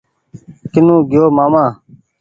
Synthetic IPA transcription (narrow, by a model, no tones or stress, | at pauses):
kɪnũːɡɪjoːmaːmãː